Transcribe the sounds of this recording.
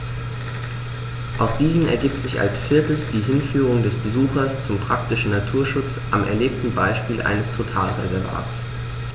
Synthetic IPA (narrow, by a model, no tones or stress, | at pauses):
ʔaʊsd̥iːzn̩ɛ̰ɐɡiːp̚tz̥ɪça̰lsfɪɐtəsd̥iːɦɪnfyːʁʊŋdɛsb̥əzuːxɐst͡sʊmpʁ̥ak̚tɪʃn̩natʰuːɐʃʊt͡sʔamʔɛ̰ɐleːp̚tn̩baɪʃpiːlʔa̰ɪnəstʰotʰa̰ːlʁɛ̰zɛɐva̰ːt͡s